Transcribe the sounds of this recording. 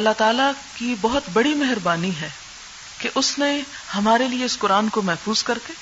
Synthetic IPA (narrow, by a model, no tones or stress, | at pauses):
ɐlːat̪aːlakibɐɦʊt̪bɐɽimɛɦɾbaːniɦɛː | keʔʊsne | hɐmaːɾelieɪskʊɾaːnkomɛɦfuːzkɐɾkeː